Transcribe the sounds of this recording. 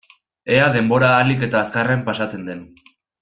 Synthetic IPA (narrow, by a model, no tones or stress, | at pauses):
e̞aðe̞mbo̞ɾaːlike̞t̪aːskarempasat͡se̞nd̪e̞n